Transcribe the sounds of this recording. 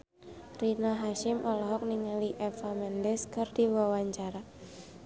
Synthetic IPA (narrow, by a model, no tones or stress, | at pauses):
rinaɦaʃɪmʔɔlɔɦɔk̚niŋaliʔɛfamɛndɛskɨrd̥iwawaɲt͡ʃaɾa